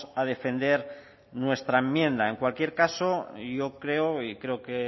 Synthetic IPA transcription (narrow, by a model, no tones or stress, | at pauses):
að̞e̞fe̞nd̪e̞ɾ | nwe̞st̪ɾaemjẽ̞nd̪ae̞ŋkwalkje̞ɾkaso̞ʝo̞kɾe̞oikɾe̞oke